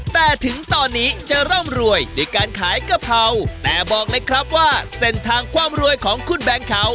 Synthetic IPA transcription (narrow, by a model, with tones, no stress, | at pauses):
t̪ɛː˨˩t̪ʰɯ˩˦ŋt̪ɔː˧nːiː˦˥t͡ɕa˨˧˩ɾɔ˥˩mɾu˧əjdu˧˩jkaː˧nkʰaː˨˩˦jka˧˩p̚ʰa˧wt̪ɛː˨˩bɔː˨˩k̚lɤː˧jkʰɾa˦˥p̚waː˥˩se˧˩nt̪ʰaː˧ŋkʰwaː˧mɾu˧əjkʰɔː˩˦ŋkʰu˧˩nbɛː˧ŋkʰa˨˦w